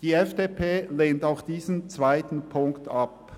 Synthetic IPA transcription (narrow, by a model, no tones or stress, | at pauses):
d̥iːɛfd̥epʰeːleːntaʊxd̥iːzənt͡sv̥aɪtn̩pʰʊŋktʰɑp